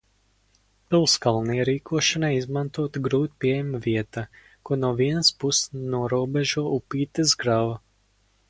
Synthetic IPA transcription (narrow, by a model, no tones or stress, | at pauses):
pilˠskalˠnijɾiːkʰuɔʃanajizmant̪uɔt̪ɡɾuːt̪̚pʲiɛjɛmviɛt̪a | kuɔnuɔviɛnəspusnuɔɾuɔbɛʒuɔupiːt̪ɨzɡɾava